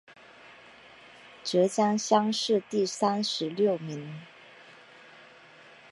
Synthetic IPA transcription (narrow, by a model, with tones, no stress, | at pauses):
ʈ͡ʂɤ˧˥t͡ɕjɑ˥ŋɕjɑ˥ŋʂɻ̩˥˧t̪i˥˩sa˥nʂɻ̩˧˥ljo˥˩ʊmi˧˥ŋ